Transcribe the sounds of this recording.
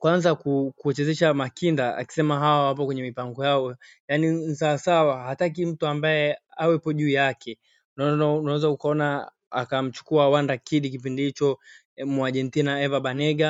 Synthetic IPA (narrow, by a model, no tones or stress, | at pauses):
kwanzakukuɛt͡ʃɛzɛʃamakindaa̰ki̥sɛmaɦawawap̬ɔkwɛɲɛmipaŋɡɔjaɔjaninsawasawahatak̬im̩tuambaɛawɛpɔʄuːjakʰɛ | nnaɛzaukaɔna | a̰kam̩t͡ʃu̥kuawandakiɗikip̬indihit͡ʃɔ | muaʄɛntinaɛvaɓanɛɡa